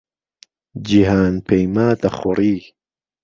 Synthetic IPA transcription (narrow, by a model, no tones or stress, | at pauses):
d͡ʒiɦaːnpʰejmaːt̪ɐχɔɾiː